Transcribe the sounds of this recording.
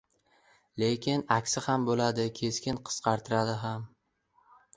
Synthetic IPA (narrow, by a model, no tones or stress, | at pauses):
le̞kʲʰɪnakʲsɪhambolad̪ɪkʲʰe̞skʲɪnqʰɨ̥sqʰɑɾt̪ʰɪɾad̪ɪɦam